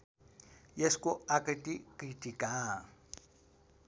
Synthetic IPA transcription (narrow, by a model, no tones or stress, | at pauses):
jeskʼɔakʼitʼikʼitʼikʼaː